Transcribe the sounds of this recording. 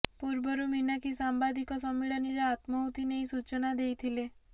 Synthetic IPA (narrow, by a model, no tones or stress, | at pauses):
puɾbɔɾuminakisambad̪ikɔsɔmːiɭɔniɾaat̪mɔut̪inejsut͡ʃɔnad̪ejt̪ʰile